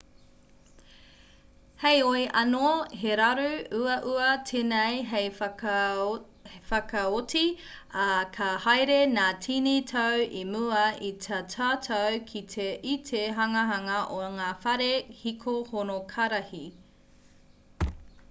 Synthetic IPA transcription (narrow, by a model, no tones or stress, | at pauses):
hejoiʔɐnoɦeɾɐɾʉuɐʔuɐtʰenejɦej | fɐkɐoti | ɐkʰɐhɐjɾenaːtʰinitʰɐwimuɐitʰɐtʰaːtʰowkʰitʰeʔitʰeɦɐŋɐɦɐŋɐʔoŋaːfɐɾehikʰohonokʰɐɾɐhi